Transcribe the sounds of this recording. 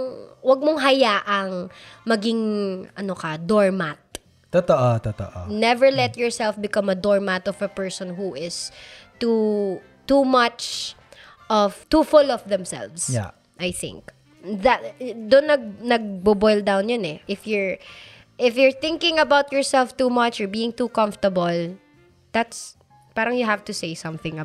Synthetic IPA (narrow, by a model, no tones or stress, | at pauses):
ŋwɐɡ̚moŋɦɐjaːʔɐŋmɐɡɪŋʔɐnokɐd̪ɔɹmat̪̚ | t̪ot̪oʔot̪ut̪o̰ʔo̰nɛvɛɹlɛt̪̚jɔɹsɛlfbɪkɐmɐd̪ɔɹmat̪ɔvɐpɛɹsɔ̃nɦuʔɪst̪u | t̪umɐt͡ʃ | ʔɔvt̪ufʊlɔvðɛ̃msɛ̰lvsja̰ | ʔajθɪ̰̃ŋk | ðat̪d̪ʊnːɐɡ̚nɐɡ̚bʊbɔjld̪awnjɔnɛʔɪfjɔɹ | ʔɪfjɔɹθɪ̃ŋkɪ̃ŋɐbawt̪̚jɔɹsɛlft̪uːmɐt͡ʃɔɹbiːɪ̃ŋt̪ukɐ̃ɱft̪əbɐl | d̪̥at̪s | paːɾɐŋjʊɦavt̪ʊsejsɐ̃mθɪ̃ŋɐ